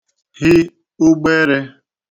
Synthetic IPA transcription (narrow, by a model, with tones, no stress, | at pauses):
hɪ˦ | ʊ˦ɡ͡be˦ɾe˦